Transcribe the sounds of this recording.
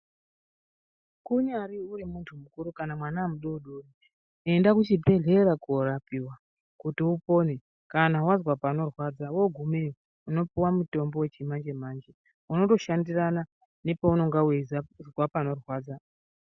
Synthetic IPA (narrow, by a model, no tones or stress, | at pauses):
kuɲaɾiurimuntʰumukuɾukanamwanaːmuɗouɗori | e̞ndakut͡ʃibʱe̞ɮe̞ɾakorapiwa | kutiupo̞ne | kanawazwapano̞rwaːd͡zawo̞ɡʱume | uno̞puwamuto̞mbo̞we̞t͡ʃimand͡ʒe̞maːnd͡ʒe | uno̞to̞ʃandirana | ne̞pauno̞ŋɡawezazwapano̞rwaːd͡za